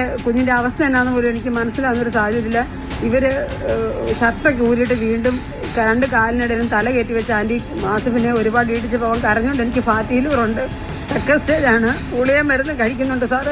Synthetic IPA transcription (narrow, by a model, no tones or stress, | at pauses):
kuɲːinde̞ɐʋɐst̪ɐenːaːnːɨboːlume̞nikʲːɨmɐnɐsːilaːnːɐoɾusaːd̪ʱjɐt̪ːilːɐ | iʋɐɾɨ | ɕɐt̪ːɐkuːɾijiʈːɨʋiːɳɖum | kɐɾɐɳɖɨkaːliniɽeɾumt̪ɐlɐkeːʈːiʋɐt͡ɕːaːndi | maːsɐfineo̞ɾubaːɽiːʈ̬ːit͡ɕːɨpːoːɐʋɐŋkɐrɐɲːuoɳɖɨe̞nikʲːɨfaːt̪ːijilroɳɖɨ | t̪ɐkːɐsʈeːd͡ʑaːɳɨ | uɭijemʋɐɾunːɨkɐɻikʲːunːuɳɖɨsaː